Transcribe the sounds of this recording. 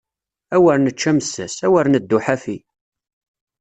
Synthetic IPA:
æwəɾnət͡ʃːæməsːæ̰sæwəɾnəd̪ːʊħafi

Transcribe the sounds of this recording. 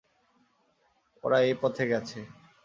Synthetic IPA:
o̰ɾaepɔt̪ʰeɡɛt͡ɕʰe

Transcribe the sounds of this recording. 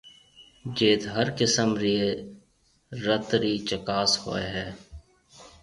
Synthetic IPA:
d͡ʒeːt̪ɦəɾkɪsəmɾie | ɾət̪ɾit͡ʃəkaːsho̰ːeɦɛː

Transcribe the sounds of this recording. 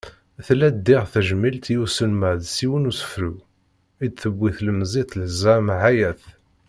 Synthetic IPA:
θlæd̪ːɪʁθæʒmilt̪jusəlməʕðsiwənusə̥fɾu | id̪θəbːiθləməzˤit̪lzæmʕajæθ

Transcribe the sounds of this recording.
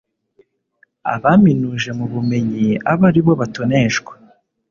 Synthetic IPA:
a̰βaminuʒe̞muβume̞ɲiaβaɾiβo̞βatoneʃɡwḁ

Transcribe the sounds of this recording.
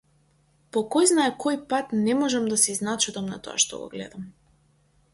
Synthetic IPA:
pɔkɔjznaɛkʰɔjpat̪nɛmɔʒɛmd̪asiznat͡ʃud̪amna̰t̪ɔ̰a̰ʃt̪ɔ̰ɡɔ̰ɡlɛ̰d̪am

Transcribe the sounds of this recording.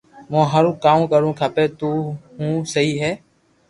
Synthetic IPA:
mõːɦəɾũːkaːm̃ːkəɾũːkʰaːpeːt̪uːɦũːsəɦiːɦɛː

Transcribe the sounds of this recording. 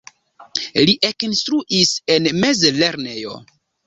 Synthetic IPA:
liʔekinstɾuʔise̞nme̞zleɾne̞jo̰

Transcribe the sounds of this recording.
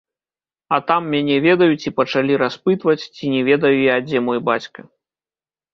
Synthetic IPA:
ɐt̪amːʲanʲɛvʲɛd̪ɐjut͡sʲipɐt͡ʂalʲiɾaspɨt̪vɐt͡sʲt͡sʲinʲɛvʲɛd̪ɐjujad͡zʲɛmɔjbat͡sʲkɐ

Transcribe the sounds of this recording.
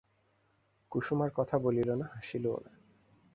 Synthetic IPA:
kuʃumaɾkɔt̪ʰabolilonaɦaʃiloo̰na̰

